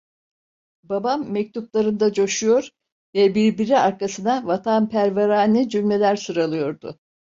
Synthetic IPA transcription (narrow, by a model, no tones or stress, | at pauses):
babamːɛc̚t̪ʰuplˠaɾɯnd̪ad͡ʒo̞ʃujo̞ɾ | vɛbiɾbiɾiaɾkasɯnavat̪ʰanpʰæɾveɾaːnʲid͡ʒymlʲe̞lʲæɾsɯɾalˠɯjo̞ɾd̪ʊ̰